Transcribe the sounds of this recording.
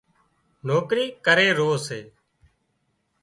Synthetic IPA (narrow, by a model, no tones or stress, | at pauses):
noːkɾiːkəɾeːɾoːseː